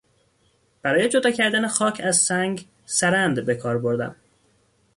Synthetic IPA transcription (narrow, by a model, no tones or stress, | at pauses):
b̥æɾɒːje̞d͡ʒo̞d̪ɒːcʰæɾd̪ænexɒːcʰæzsæŋɡ | sæɾænd̪be̞kʰɒːɾbo̞ɾd̪æ̰m